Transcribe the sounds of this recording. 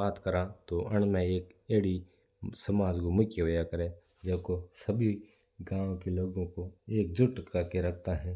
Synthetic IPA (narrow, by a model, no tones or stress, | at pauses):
aːt̪kəɾãt̪oʔɐɳ̃mẽeːkeːɽi | sɐmaːd͡ʒkomʊkjeʋɐjakəɾẽ | d͡ʒɐbkosɐbʱi | ɡãːʋõkeloːɡõkoeːk̚d͡ʒʊʈkəɾkeɾɐk̚ʰt̪aɦɛ̃ː